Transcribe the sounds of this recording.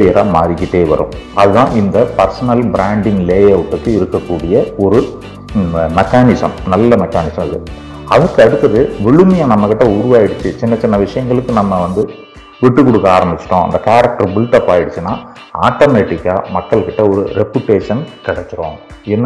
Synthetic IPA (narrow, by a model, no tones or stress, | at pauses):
ɾɪjɐɾa̰ːmaːɾɪkːɪʈːeːʋɐ̰ɾʊ̰̃ɐðɯðãːʔɪnd̪ɐpɐɾsɐnɐlbɪɾaːɳɖɪŋɡleːjɐʊʈːɯkːɯɪɾɯkːɐkːuːɽɪjɐɔɾɯ | mɛkːaːnɪsɐ̰mnɐlːɐmɛkːaːnɪsɐmɪðɯ̰ | ɐðɐkːɯɐɽɯt̪ːɯɾɐðɯʋɛɭɯmɐjaːnɐmːɐkɪʈːɐʊɾʊʋaːjɪɽɯt͡ʃːɯt͡ʃɪnːɐt͡ʃɪnːɐʋɪʂɐjɐŋɡɐɭɯkːɯnɐmːɐʋɐnd̪ɯ | ʋɪʈːɯkːɔɽɯkːɐaːɾɐmbɪt͡ʃːɪ̥ʈːõːɐ̰nd̪ɐkaːɾɐk̚ʈɐɾbɪlʈɐpːaːjɪɽɯt͡ʃːɯnːaː | a̰ːʈːomeːʈːɪkːaːmɐkːɐɭkɪʈːɐɔɾɯ̰ɾɛpjʊʈːeːʂɐnkɪɽɛkːɪɾõːɪnː